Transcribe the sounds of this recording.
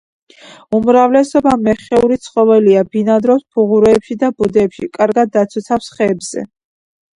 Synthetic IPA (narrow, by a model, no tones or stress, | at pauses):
umɾavlɛsɔbamɛχɛuɾit̪sʰχʼɔvɛliabinad̪ɾɔspʰuʁuɾɛːpʃid̪abud̪ɛːpʃikʼaɾɡad̪ːat̪sʰɔt̪sʰafsχɛːbz̥ɛ̰